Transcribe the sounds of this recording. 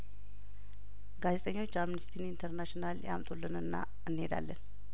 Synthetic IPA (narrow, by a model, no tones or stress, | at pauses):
ɡazet̪ʼəɲːo̞t͡ʃːamnist̪ʰinint̪ʰəɾnaʃinalja̰mt̪ʼolːɨnɨnːa̰ | ɨnːhed̪a̰lːən